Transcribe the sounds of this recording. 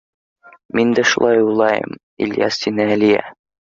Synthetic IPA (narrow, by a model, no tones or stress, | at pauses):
mind̪æʃulˠɑjulˠɑjɤ̰m | ḭljæ̰sːinɘælijæ̰